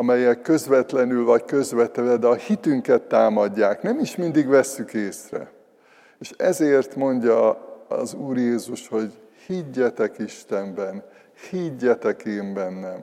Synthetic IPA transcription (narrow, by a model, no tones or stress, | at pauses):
ɒmɛjɛkːø̞zʋɛt̪lɛnylvɒckø̞zʋɛt̪ɛlɛd̪ɛɒhit̪yŋkɛt̪ːaːmɒɟːaːknɛmiʃmind̪iɡʋɛsːykeːsrɛ̰ | eːʃɛzeːrt̪mo̞ɲɟɒɒ̰zuːrjeːzuʃho̞ɟ | hiɟːɛt̪ɛkiʃt̪ɛmbɛn | hiɟːɛt̪ɛkeːmbɛnːɛm